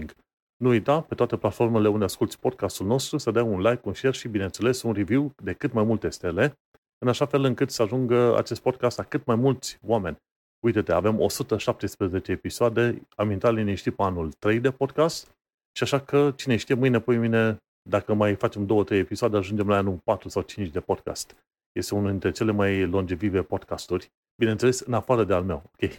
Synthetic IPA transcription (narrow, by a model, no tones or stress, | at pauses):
ŋɡ | nuujt̪ape̞t̪oat̪e̞plat̪fo̞rme̞leund̪easkult̪sʲpo̞d̪̚kast̪ulno̞st̪ɾusəd̪əaunlajkːunʃerʃibine̞nt̪se̞le̞sunrivjiwd̪e̞kɨt̪majmult̪e̞st̪e̞le̞ | ɨnaʃafe̞lɨŋkɨt̪səaʒuŋɡəa̰t͡ʃe̞st̪̚po̞d̪̚kast̪akɨt̪majmult̪sʲoame̞nʲ | ujt̪et̪e̞a̰ve̞mo̞̰sut̪əʃap̚t̪e̞spɾeze̞t͡ʃe̞ːpisoad̪e̞amint̪alineʃt̪ipeanult̪ɾe̞jd̪e̞po̞d̪̚kast̪ | ʃiaʃakət͡ʃineʃt̪ije̞mɨjnepojmine̞ | d̪akəmajfat͡ʃe̞md̪o̞wət̪ɾejepisoad̪e̞aʒund͡ʒe̞mlaanulpat̪ɾusawt͡ʃint͡ʃd̪e̞po̞d̪̚ka̰st̪ | je̞st̪e̞unuld̪int̪ɾe̞t͡ʃe̞le̞majlo̞nd͡ʒevive̞po̞d̪kast̪urʲ | binet̪se̞le̞sɨnafaɾəd̪ealme̞̰wo̞kʲe̞j